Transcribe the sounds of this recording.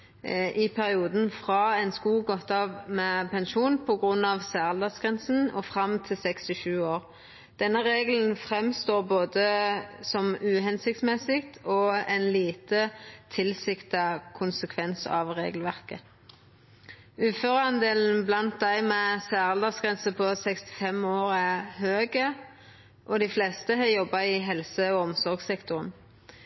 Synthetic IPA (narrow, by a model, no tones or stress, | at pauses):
ʔɪpʰæʁɪuːd̪n̩fʁɑːɛɪnskuːɡɔt̪ːɑːʋmɛpʰɛnʃuːnpʰɔɡʁʉnːɑʋsæːʁəld̪ɑsɡ̥ʁɛnsn̩ɔfʁɑmt̪ʰɪlsɛkst̪ɪʃʉːoːʁ | d̪̥ɛnːəʁeːɡln̩fʁɛmst̪oːʁboːd̪əsɔmʉːɦɛnsɪk̚t̪smɛsɪkt̪ʰɔɛnliːt̪ət̪ʰɪlsɪkt̪ɑkʰʊnsəkʰʋɛnsɑ̰ʋʁḛːɡəlʋæʁkə | ʉːføːʁəɑnd̪eːln̩blɑnt̪̚d̪æɪmɛsæːʁəld̪ɑsɡʁɛnsəpʰɔsɛkst̪ɪ̥fɛmoːɾæɦøːɡə | ʔɔd̪ɪflɛst̪əɦɑjɔbːɑɪɦɛlsəɔɔmsɔʁɡsɛkt̪ʊʁən